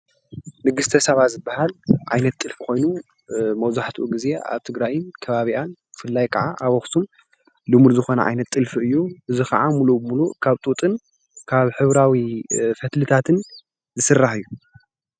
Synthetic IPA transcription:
nɨɡɨst̪ʰɐsɐβazɨbːahalʕajnɐt̪ʼːɨlfkʷo̞jnu | mɐwzaħt̪ʰʔuɡize̞ʔa̰βt̪ʰɨɡɾajɪnkʰɐβaβiʔanbɨfɨlːajkʰɐʕaʔaβoxsum | lɨmuɾzɨxo̞nɐʕa̰jnɐt̪ʼːɨlfɨɨjːuʔɨzixɐʕamulubɨmulukʰaβt̪ʼut̪ʼɨn | kʰaβħɨβɾawifɐt̪lɨt̪ʰat̪ʰɨn | zɨsɨrːaħɨjːu

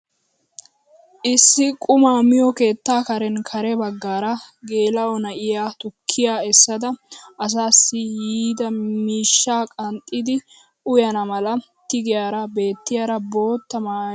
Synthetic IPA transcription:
ʔɪsːɪkʼʊmaːmɪjɔke̞ːt̪ːaːkɐɾɛnkʰɐɾɛbɐɡːaːɾɐɡe̞ːlɐɔnɐʔɪjaːt̪ʊkʰːɪjaːɛsːɐd̪ɐɐs̬aːsːɪjiːd̪ɐmiːʃːaːkʼɐnt̪ʼːɪd̪ɪ | ʊjɐnɐmɐlɐ | t̪ɪɡɪjaːɾɐbe̞ːt̪ːɪjaːɾɐbo̞ːt̪ːɐmaː

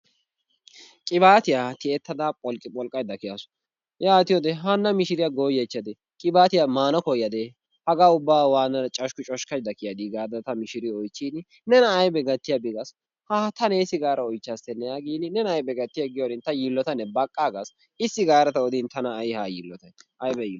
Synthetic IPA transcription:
kʼɪbaːt̪ɪjat̪ɪɛt̪ːɐd̪apʼɔlkʼɪpʼɔlkʼːɐjd̪ɐkɪjasʊ̥ | jaːt̪ɪjɔd̪ɛɦanːɐmɪʃɪɾɪjaɡoːjɛt͡ʃːɐd̪ɛ | kʼɪbaːt̪ɪjamaːnɔkɔjːɐd̪ɛ | hɐɡaːʊbːaːwaːnːɐt͡ʃʼɐʃkʊt͡ʃʼɔʃkɐjd̪ɐkɪjɐd̪ɪɡaːd̪ɐt̪ɐmɪʃɪɾɪɔjt͡ʃːiːn | nɛnɐːjbɛɡɐt̪ːɪjɐbɪɡɐs | haːt̪ɐnɛsːɪɡaːɾɐɔjt͡ʃːast̪ɛnːɛjaːɡiːnɪnɛnɐjbɛɡɐt̪ːɪjɐɡɪjonɪnt̪ɐjilːɔt̪ɐnːɛbɐkʼːaːɡɐs | ɪsːɪɡaːɾɐt̪ɐɔd̪int̪ɐnɐːjhajḭlːɔt̪ɐjʔɐjbɛji

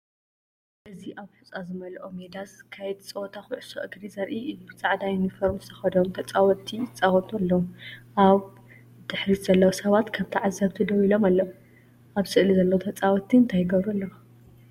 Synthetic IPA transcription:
ʔɨziʔaβħut͡sʼazɨmɐlʔomed̪askʰajɛt̪t͡sʼɐot̪ʼʰaxɨʕɨsɐʔɨɡɾizɐɾʔiʔɨjubɨt͡sʼaʕd̪ajunifoɾmzɨt̪ʰɐxɐd̪omt̪ʰɐt͡sʼawɔt̪ʰiɪt͡sʼawɔt̪ʼualːɐwʔaβ | d̪̥ɨħɾiz̥ɐlːɐwɐsɐβat̪kʰɐmt̪ʰiʕazːɐβt̪ʰɨd̪ɐwilo̞malːɐwu | ʔaβsɨʔlizɐlːɐwot̪ʰɐt͡sʼawɔt̪ʰiɨnt̪ʰajɪɡɐβɾulːɐw

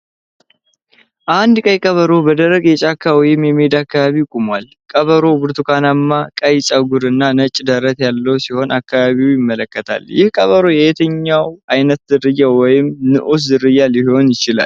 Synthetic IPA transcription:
ʔand̪kʼəjkʼəβəɾo̞bəd̪əɾəɡjɛt͡ʃʼakʰːawɔjɪmjɛmed̪akːaβaβikʼumwal | kʼəβəɾo̞bɨɾt̪ʰukʰanamːakʼəjt͡ʃʼaɡʊɾɨnːanət͡ʃʼd̪əɾət̪jalːəwsiho̞nʔakːaβaβiwjɪmːələkːət̪ʰa̰ljɪhkʼəβəɾo̞jɛjɛt̪ʰəɲːawajnət̪zɨɾɨjːawɔjɪmnɨʔus̬zɨɾɨjːaljɪho̞njɪt͡ʃɪla̰l

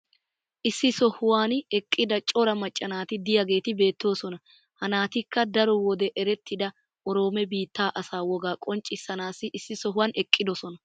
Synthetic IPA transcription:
ʔɪsːɪsɔhʊwaːnɛkʼːɪd̪ɐt͡ʃʼɔɾɐmɐt͡ʃʼːɐnaːt̪ɪd̪ɪjɐɡe̞ːt̪ɪbe̞ːt̪ːo̞ːsɔnɐ | hɐnaːt̪ɪkːɐd̪ɐɾɔwɔd̪ɛʔɛɾɛt̪ːɪd̪ɐ | ʔɔɾo̞ːmɛbiːt̪ːaːʔɐsaːwɔɡaːkʼɔnt͡ʃʼːɪsːɐnaːsːɪʔɪsːɪsɔɦʊwanɛkʼːɪd̪ɔsɔnɐ

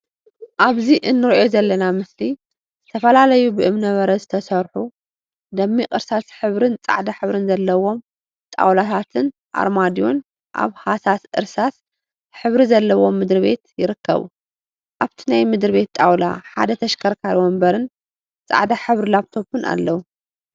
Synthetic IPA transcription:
ʔaβziʔɨnːɨɾʔozɐlːɐnamɨsli | zɨt̪ʰɐfɐlalɐjubɨʔɨmnɐβɐɾɐzɨt̪ʰɐsɐɾħu | d̪ɐmːiʔʼɨɾsasħɨβɾɨnt͡sʼa̰ʕd̪aħɨβɾɨnzɐlːɐwo̞m | t̪ʼa̰wlat̪ʰat̪ʰɨn | ʔa̰ɾmad̪ijo̞̰n | ʔa̰βhasasʔɨ̰ɾsas | ħɨβɾizɐlːɐwo̞mːɨd̪ɾβe̞̰t̪jɪɾɨkːɐ̰βṵ | ʔaβt̪ʰinajmɨd̪ɾβe̞t̪t̪ʼawla̰ħa̰d̪ɐt̪ʰɐʃkʰɐɾkʰalwɔmbɐɾɨn | t͡sʼa̰ʕd̪aħɨβɾilaβt̪ʰo̞pʰɨnʔa̰lːɐwu

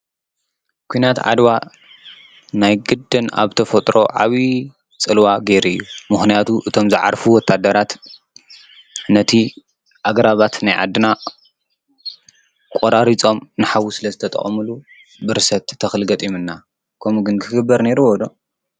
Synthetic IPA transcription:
kʷʰuinat̪ʕa̰d̪wa | najɡɨd̪ːɨna̰βt̪ʰɐfɐt̪ʼɾo̞̰ʕa̰βi | t͡sʼɨlwaɡe̞ɾɨjːumɨxnijat̪ʰuʔɨt̪ʰo̞mzɨʕa̰ɾfuwɔt̪ʰːad̪ɐɾat̪ | nɐt̪ʰi | ʔaɡɾaβat̪najʕa̰d̪ːɨna | kʷʼoɾaɾit͡sʼo̞mnɨħawusɨlɐzɨt̪ʰɐt̪ʼɐ̰χʼmɨlu | bɨɾɨsɐt̪ʰːɐxɨlɡɐt̪ʼimɨnːa | kʰɐmuɡɨnkʰɨɡɨbːɐɾne̞ɾuwɔd̪o̞

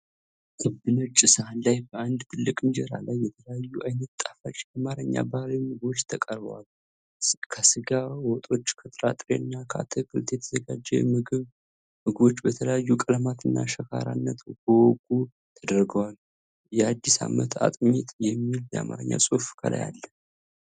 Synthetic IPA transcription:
ʔɨbːɨnɨt͡ʃʼːɨsəhanlajbəand̪t̪ʰɨlːɨkʼɨɲd͡ʒeɾa̰lajːɛt̪ʰələjajːuʔajnət̪t̪ːʼafat͡ʃʼjamaɾəɲːa̰bahlimɨɡbo̞t͡ʃːt̪ʰəkʼəɾbəwal | kʰəsɨɡawɔt̪ʼo̞t͡ʃːkʰət̪ʼɾat̪ʼɾeɨnːakʰa̰t̪ʰəkʰɨlt̪jɛt̪ʰəzəɡad͡ʒːɛmɨɡɨβ | mɨɡɨβo̞t͡ʃːbət̪ʰələjajːukʼəlmat̪ʰɨnːa̰ʃəkʰaɾanːət̪ɡowɔkʼu | t̪ʰəd̪əɾɡəwal | jɛad̪ːisa̰mːət̪ʰa̰t̪ʼmit̪jɛmːiljəamaɾəɲːa̰sʼofkʰə̰la̰ja̰lːə

